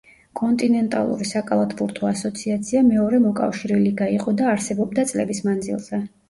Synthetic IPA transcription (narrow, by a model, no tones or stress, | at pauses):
kʼɔnt̪ʼinɛnt̪ʼa̰lˠṵɾisakʼalˠat̪ʰbuɾt̪ʰɔasɔt̪sʰiat̪sʰiamɛɔɾɛmɔkʼa̰fʃiɾɛliɡaiqʼɔd̪aːɾsɛbɔb̚d̪at̪sʼlɛbismand̪zḭlˠz̥ɛ